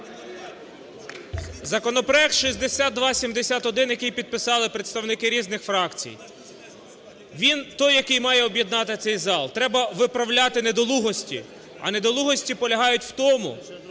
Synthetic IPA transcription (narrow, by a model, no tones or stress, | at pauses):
zɐkɔnɔpɾɔɛk̚t̪ʃizʲd̪esʲad̪̚d̪ʋɑsʲimd̪esʲat̪ɔd̪ɪnjɐkɪjpʲid̪̚pɪsɑlˠɪpɾet̪st̪ɐwnɪkɪɾʲiznɪxfɾɑkt͡sʲḭj | ʋʲint̪ɔjːɐkɪjmɑjɛɔbʲjed̪nɑt̪ɪt̪sɛjzɑlˠt̪ɾɛbɐʋɪpɾɐwlʲat̪ɪned̪ɔlˠuɦɔsʲtʲḭ | ɐ̰ned̪ɔlˠuɦɔsʲtʲipɔlʲɐɦɑjʊtʲwt̪ɔmʊ̰